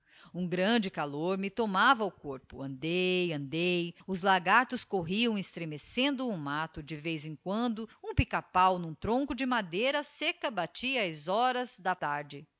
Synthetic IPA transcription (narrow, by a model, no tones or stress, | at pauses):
ũɡɾɐ̃d͡ʒɪkaloɾmɪt̪omavɐʊkoɾpʊɐ̃nd̪ejɐ̃nd̪ejʊzlaɡat̪ʊskoɦiɐ̃w̃ɪst̪ɾemesẽnd̪ʊũmat̪ʊd͡ʒɪvejzẽŋkwɐ̃nd̪ʊũpikapawnũt̪ɾõŋkʊd͡ʒɪmad̪ejɾɐsekɐbat͡ʃiɐːzɔɾɐzd̪ɐt̪aɾd͡ʒɪ